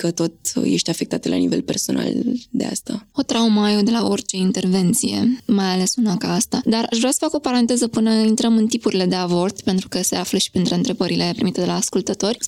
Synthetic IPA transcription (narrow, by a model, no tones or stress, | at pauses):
kət̪o̞t̪je̞̰ʃt̪eafe̞k̚t̪at̪əlʔa̰nive̞̰lpe̞̰rso̞̰na̰ld̪ea̰st̪a̰o̞t̪ɾaumajo̞d̪e̞lao̞rt͡ʃe̞int̪e̞rve̞nt̪sije̞̰majale̞sunakaast̪ad̪araʃvɾasə̥fako̞paɾant̪e̞zəpɨnəint̪ɾəmɨnt̪ipuɾile̞d̪e̞avo̞rt̪pe̞nt̪ɾukəse̞afləʃi̥pent̪ɾeɨnt̪ɾe̞bəɾile̞pɾimit̪e̞d̪e̞laːskult̪ət̪o̞rʲ